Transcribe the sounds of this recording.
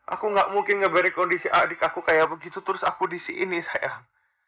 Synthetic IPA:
ʔa̰kuŋɡaʔmuŋkɪnŋəbəɾɛkɔndisiʔadɪkakukajaʔbəɡit̪ut̪əɾʊsakudisiʔḭnisaja

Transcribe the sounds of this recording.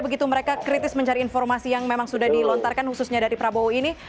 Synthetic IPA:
bəɡit̪uməɾekakɾit̪ɪsməɲt͡ʃaɾiːnfɔrmasijaŋmemaŋsudahdilɔnt̪arkanhususɲadaɾipɾabouini

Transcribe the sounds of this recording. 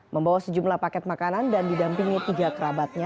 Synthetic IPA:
məmbawasəd͡ʒumlahpakɛt̪̚makanandandidampiŋit̪iɡakəɾabat̪̚ɲa

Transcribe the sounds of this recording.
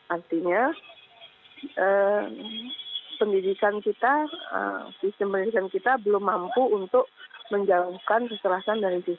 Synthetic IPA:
ʔart̪iɲa | ʔə | pəndidikankit̪aə̰sist̪əmpəndidikankit̪abəlʊmːampuunt̪ʊk̚məɲd͡ʒauhkankəst̪əlasandaɾisi

